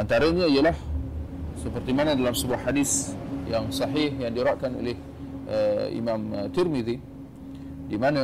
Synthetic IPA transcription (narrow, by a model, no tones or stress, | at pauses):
ʔant̪aɾəɲaijəlah | səpərt̪imanə̃dalamsəbuahːadisjaŋsɑɦihjaŋdiɾaʔkano̰leh | ʔəḭmamt̪ɪrmiði | dimanə